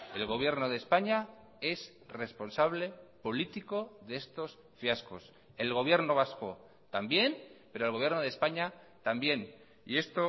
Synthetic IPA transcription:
e̞lɣ̞o̞βje̞ɾno̞ðe̞spaɲa | e̞s | re̞spo̞nsaβle̞po̞lit̪iko̞ðeest̪o̞s | fjasko̞s | e̞lɣ̞o̞βje̞ɾno̞β̞asko̞ | t̪ambje̞npe̞ɾolɣo̞β̞je̞ɾnoð̞espaɲa | t̪ambje̞n | ḭe̞st̪o

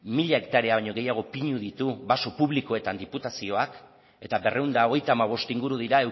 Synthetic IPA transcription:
miʎaek̚t̪aɾe̞aβaɲo̞ɣe̞jaɣ̞o̞piɲuðit̪uβaso̞puβliko̞e̞t̪and̪iput̪asio̞ak | e̞t̪aβe̞rʔe̞wnd̪ao̞ɣ̞e̞jt̪aːmaβ̞o̞st̪iŋɡuɾuðiɾae

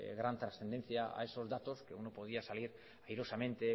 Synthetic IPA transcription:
ɣɾant̪ɾasθe̞nd̪e̞n̟θjaa̰e̞so̞zðat̪o̞ske̞uno̞po̞ð̞iasaliɾ | ajɾo̞samẽnt̪e̞

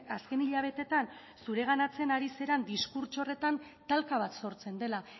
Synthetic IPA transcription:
aske̞niʎaβe̞t̪e̞t̪an | suɾe̞ɣ̞anat͡se̞naɾise̞ɾand̪iskuɾt͡ʃo̞re̞t̪an | t̪alkaβ̞at̪so̞ɾt͡se̞nd̪e̞la

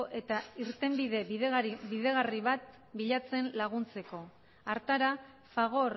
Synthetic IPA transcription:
ʔe̞t̪aiɾt̪e̞mbiðe̞biðe̞ɣariβat̪̚ | biʎat͡se̞nlaɣ̞unt͡se̞ko̞ | aɾt̪aɾa | faɣo̞ɾ

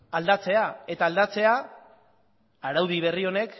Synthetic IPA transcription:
ald̪at͡se̞ae̞t̪aːld̪at͡se̞a | aɾawð̞iβ̞e̞rio̞ne̞k

